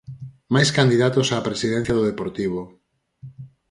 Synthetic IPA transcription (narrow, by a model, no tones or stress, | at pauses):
majskand̪iðat̪osaːpɾesiðɛ̃n̟θjaðoð̞epoɾt̪iβ̞o